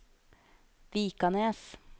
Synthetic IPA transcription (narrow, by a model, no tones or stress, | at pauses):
ʋiːkɑneːs